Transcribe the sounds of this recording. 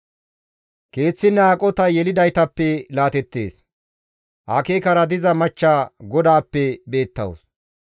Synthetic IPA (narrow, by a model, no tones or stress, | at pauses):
ke̞ːt͡sːɪnːaːkʼɔt̪ɐjɛlɪd̪ɐjt̪ɐpːɛlaːt̪ɛt̪ːe̞̰ːs | ʔaːkeːkɐɾɐd̪ɪzɐmɐt͡ʃːaːɡɔd̪aːpːɛbe̞ːt̪ːɐ̰wo̰s